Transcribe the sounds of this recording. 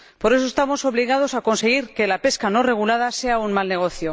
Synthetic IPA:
po̞ɾe̞sost̪amo̞so̞βliɣ̞að̞o̞sako̞nse̞ɣ̞iɾke̞lape̞skano̞re̞ɣ̞ulað̞ase̞aunmalne̞ɣ̞o̞θjo

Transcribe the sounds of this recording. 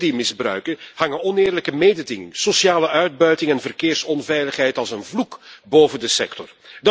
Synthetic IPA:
dimɪzbrœ̰ɥkənhɑŋənɔnɪːrləkəmejdədɪŋɪ̰ŋsosjaːləʔœɥd̚bœɥtɪŋɛnvərkɪːrsɔnvɛjləχɦɛjtɑlˠsənvlukboːvəndəsɛ̰ktɔrd

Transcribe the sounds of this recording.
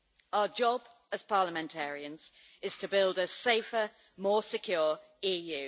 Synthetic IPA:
aʊəd͡ʒɒb | əz̥pʰɑːləmɛ̃ntʰɛːɹiə̃nz̥ | ɪz̥tʰəbɪlˠdəseɪfə | mɔːsɪkʰj̥ɔːɹ | iːjʉː

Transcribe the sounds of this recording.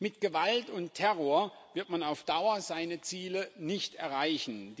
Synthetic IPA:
mɪtɡ̥əvaltʊntʰɛʁoːɐ | vɪɐtmanaʊfd̥aʊɐzaɪnət͡siːlənɪçtɛɐʁaɪçn̩d

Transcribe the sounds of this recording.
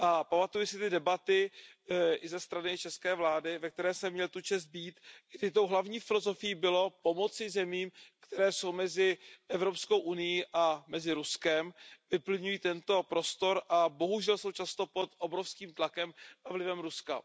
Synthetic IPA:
ʔapamat̪ujɪsɪt̪ɪdɛbat̪ɪ | ʔɪzɛst̪ɾanɪt͡ʃɛskɛːvlaːdɪvɛk̚t̪ɛɾɛːsɛmːɲɛlt̪ut͡ʃɛst̪̚biːt̪ɡdɪt̪o̞wɦlavɲiːfɪlo̞zo̞fɪjiːbɪlo̞po̞mo̞t͡sɪzɛmiːmkt̪ɛɾɛːso̞wmɛzɪʔɛvɾo̞psko̞wʔunɪjiʔamɛzɪɾuskɛmvɪpl̩ɲujiːt̪ɛnt̪o̞pɾo̞st̪o̞ɾʔabo̞ɦuʒɛlso̞wt͡ʃast̪o̞pot̪ʔobɾofskiːmt̪lakɛmavlɪvɛmɾuska̰

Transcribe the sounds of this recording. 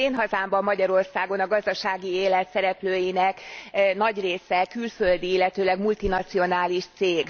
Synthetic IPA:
eːnɦɒzaːmbɒmːɒɟɒɾo̞rsaːɡo̞nɒɡɒzd̪ɒʃaːɡieːlɛt̪sɛɾɛpløːjinɛknɒɟreːsɛkylfø̞ld̪iilːɛt̪øːlɛɡmult̪inɒt̪sio̞naːliʃt̪seːɡ

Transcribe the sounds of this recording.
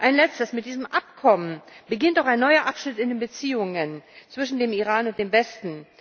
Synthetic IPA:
ʔaɪnlɛt͡stəsmɪtd̥iːzəmʔap̚kʰɔmənbəɡɪntaʊxaɪnːɔʏɐʔapʃnɪtɪndeːnbət͡siːʊŋənt͡sv̥ɪʃn̩deːmiʁaːnʊnt̚d̥eːmvɛstn̩

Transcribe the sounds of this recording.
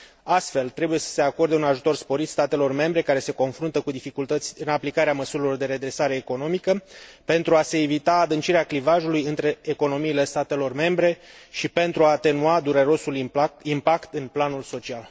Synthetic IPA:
ast̪fe̞lt̪ɾe̞buje̞sə̥se̞ako̞rd̪eunaʒut̪o̞rspo̞ɾit̪st̪at̪e̞lo̞rme̞mbɾe̞kaɾe̞se̞ko̞nfɾunt̪əkud̪ifikult̪ət̪sʲɨnaplikaɾeaməsuɾilo̞rd̪e̞ɾe̞d̪ɾe̞saɾe̞ːko̞no̞mikəpe̞nt̪ɾuase̞ːvit̪aːd̪ɨnt͡ʃiɾeaklivaʒulujɨnt̪ɾe̞ːko̞no̞miːle̞st̪at̪e̞lo̞rme̞mbɾe̞ʃipe̞nt̪ɾuaːt̪e̞nuad̪uɾe̞ɾo̞sulimpakt̪ɨnplanulso̞t͡ʃial

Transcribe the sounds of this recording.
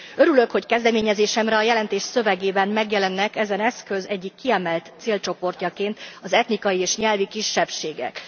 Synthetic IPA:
ø̞ɾylø̞kho̞ckɛzd̪ɛmeːɲɛzeːʃɛmɾɛɒjɛlɛnt̪eːʃsø̞vɛɡeːbɛmmɛɡjɛlɛnːɛkɛzɛnɛskø̞zɛɟːikːiɛmɛlt̪t̪seːlt͡ʃo̞po̞rcɒkeːnt̪ɒzɛt̪nikɒjieːʃɲɛlvikiʃːɛpʃeːɡɛ̰k

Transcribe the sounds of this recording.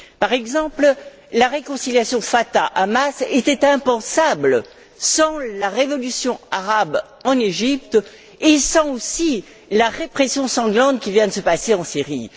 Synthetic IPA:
paʁɛɡzɑ̃pl | laʁekɔ̃siljasjɔ̃fat̪aʔamaset̪ɛt̪ɛ̃pɑ̃sablə | sɑ̃laʁevɔlysjɔ̃aʁab | ɑ̃neʒip̚t̪ | esɑ̃osi | laʁepχesjɔ̃sɑ̃ɡlɑ̃t̪kʲivjɛ̃d̪əsəpaseɑ̃siʁi

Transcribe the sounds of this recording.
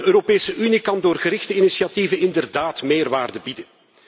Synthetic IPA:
əøːɾopeːsəʔynikɑndoːrɣəɾɪxtəinisiɑtivənɪndərdaːtmeːrʋaːrdəbidə

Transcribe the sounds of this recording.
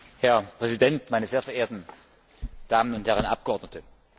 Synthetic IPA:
hɛɐpʁ̥ɛzidɛntmaɪnɐzeːfɛɐʔeːɐtn̩ | d̥aːmənʊnthɛʁənʔa̰p̚ɡ̥əʔɔɐdnətə

